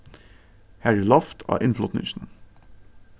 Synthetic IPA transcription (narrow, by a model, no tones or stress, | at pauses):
hæɹɪlɑft̪ʰɑ̰ːʔɪnflɔt̪nɪ̰ŋʃn̩